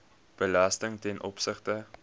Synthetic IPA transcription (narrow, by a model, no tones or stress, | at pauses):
b̥əlɐstəŋtɛnʔɔpsəχtə